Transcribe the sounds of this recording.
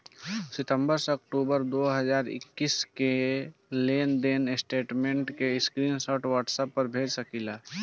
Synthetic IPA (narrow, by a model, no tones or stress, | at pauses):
sɪt̪ə̃mbəɾseəkʈubəɾd̪oɦəd͡ʒaːɾɪ̰kːiskeleːnd̪eːnɪsʈeːʈmẽːɳʈkeskɾiːnsɔːʈwaːʈsəpːəɾbʱeːd͡ʒsəkila